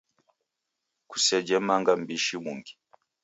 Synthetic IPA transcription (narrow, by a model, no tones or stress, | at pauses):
ku̥sɛd͡ʒɛmaŋɡambiʃimuŋɡi